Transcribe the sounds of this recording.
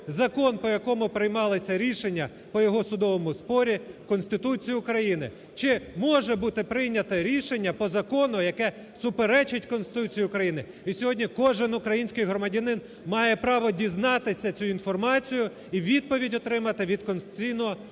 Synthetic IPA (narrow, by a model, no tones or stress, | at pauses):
zɐkɔnpɔjɐkɔmʊpɾɪjmɑlˠɪsʲɐɾʲiʃenʲːɐ | pɔjɔɦɔsʊd̪ɔʋɔmʊspɔɾʲikɔnsʲt̪ɪt̪ut͡sʲijiʊkɾɐjinɪ̰ | t͡ʃɪmɔʒɛbut̪ɪpɾɪjnʲɐt̪ɐɾʲiʃenʲːɐpɔzɐkɔnʊjɐkɛ | sʊpeɾɛt͡ʃɪtʲkɔnst̪ɪt̪ut͡sʲijiʊkɾɐjinɪ | isʲɔɦɔdʲnʲikɔʒɪnʊkɾɐjinʲsʲkɪjɦɾɔmɐdʲɐnɪn | mɑjɛpɾɑʋɔdʲiznɑt̪ɪsʲɐt͡sʲuinfɔrmɑt͡sʲijʊ | iʋʲid̪̚pɔʋʲidʲɔt̪ɾɪmɐt̪ɪʋʲid̪kɔnsɪt̪ʲijnɔɦɔ